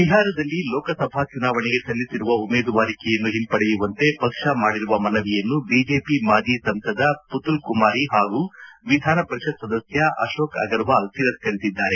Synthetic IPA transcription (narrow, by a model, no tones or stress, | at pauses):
ʋiɦaːɾɐd̪ɐlːilɔːkɐsɐbʱaːt͡ʃunaːʋɐɳiɡe̞sɐlːisiɾuʋɐumeːd̪uʋaːɾikɛjɐnːuɦimpɐɽejuʋɐnt̪e̞pɐkʂɐmaːɽiɾuʋɐmɐnɐʋɛjɐnːubiːd͡ʒe̞ːpimaːd͡ʒisɐmsɐd̪ɐput̪ulkumaːɾiɦaːɡuʋid̪ʱaːnɐpɐɾiʃɐt̪̚sɐd̪ɐsjɐʔɐ̰ʃoːkɐ̰ɡɐɾʋaːlsiɾɐskɐɾit̪id̪ːaːɾe̞